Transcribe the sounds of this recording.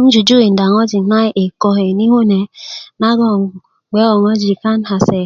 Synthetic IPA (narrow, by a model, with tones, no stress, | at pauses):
n̩˦d͡ʒu˨d͡ʒu˦i˨n̩˨da˨ŋɔ˦d͡ʒi˨na˦ʔe˨kɔ˦ɦe˨ni˦ɦo˦ne˨na˦ɡɔ˦˨ | ɡ͡be˦ɔ˨ŋɔ˦d͡ʒi˨ka˦n̩˦ɦa˨se˨